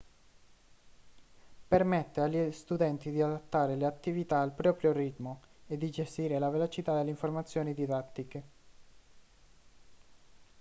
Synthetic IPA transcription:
permɛt̪ːeaʎːist̪ud̪ɛnt̪id̪iad̪at̪ːaːɾeleat̪ːivit̪aːlpɾɔːpɾjorit̪moed̪ːid͡ʒest̪iːɾelavelot͡ʃit̪ad̪elːeiɱformat̪sːjoːnid̪id̪at̪ːike

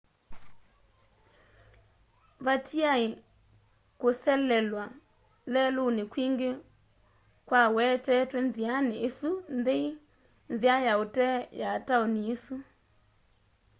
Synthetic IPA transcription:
βatiai | kʊsɛlɛlwa | lɛlunɪkwiŋɡe | kwawɛtɛtwɛnzianɪʔesundei | nziajautɛjaːtaɔniesu

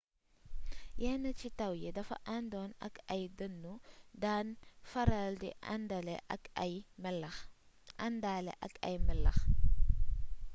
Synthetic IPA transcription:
jɛnɐt͡ʃitɐwjedɐfɐ̰ʔandɔːnɐ̰kɐjdənːudanfɐɾaldḭndɐlɛ̰jml | ʔandaːlḛʔɐ̰kɐ̰jmɛlɐ̰x

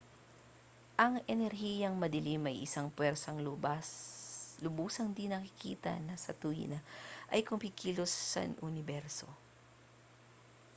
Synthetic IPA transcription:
ʔɐŋɛnɛɾɦiːjɐŋmɐd̪ɐlimɐjʔɪsaŋpwɛɾsɐŋlʊbaslʊbuːsɐŋd̪inɐkɪkḭːt̪ɐ̰nɐsɐt̪uḭnɐʔɐjkʊmpɪkiːlosːɐ̰nʔʊnɪbɛɾso̞̰

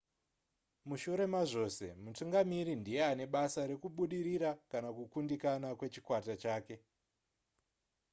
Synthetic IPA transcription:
muʃuɾe̞maʐo̞se̞̰mutuŋɡamiɾindije̞ane̞ɓasaɾe̞kuɓuɗiɾiɾakanakukundikanakwe̞t͡ʃi̥kwatat͡ʃaːke̞

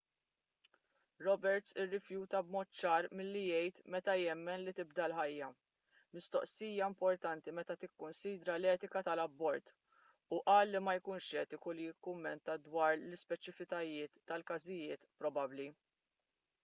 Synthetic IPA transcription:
ɾɔbɛɾt̪sɪrːɪfjuːt̪ɐbmɔːt̪t͡ʃɐːɾmɪlːijɛjt̪mɛt̪ɐjɛmːɛnlit̪ɪbd̪ɐlħɐjːɐ | mɪst̪ɔʔsiːjɐmpɔɾt̪ɐnt̪imɛt̪ɐt̪ɪkːʊnsiːd̪ɾɐlɛːt̪ɪkɐt̪ɐlɐbːɔɾt̪ | uʔɐːlːimɐjkuːnʃɛːt̪ɪkulɪjɪkːʊmːɛnt̪ɐd̪wɐːɾlɪspɛt͡ʃɪfɪt̪ɐjɪːt̪ːɐlkɐzɪjɪːt̪pɾɔbɐbli

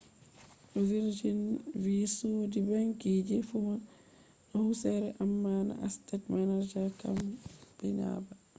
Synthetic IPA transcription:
ʔɔviɾd͡ʒinvisudibaŋkid͡ʒɛfuma | ʔahusɛɾɛʔamːaːna̰ʔastatmanad͡ʒɛɾkamb̥ɛna̰ːba

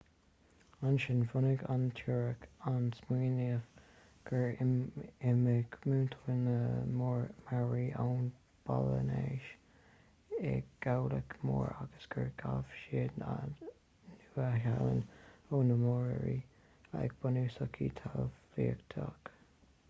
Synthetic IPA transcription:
anʃɪnfʊnəɡantʰuɹəkansmiːnif | ɡ̥əɹ | ɪməɡmuːntʰələnəmɹmaɹiʔawn | b̥alə̰neʃ | ɛɡ̥awləkmoːɹaɡ̥əsɡ̥əɹɡ̥avʃi | nuːahalə̰noːnəmɔːɹə̰ɹiː | ak̚b̥ənuːsɔkʰiːt̪ʰaliːəkt̪ʰɑk

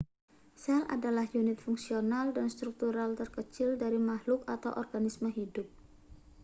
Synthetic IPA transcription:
sɛlʔa̰dalahjunɪt̪̚fuŋsionaldanst̪ɾuk̚t̪uɾalt̪ərkət͡ʃɪldaɾimahlʊkat̪awʔɔrɡanisməɦidʊp̚

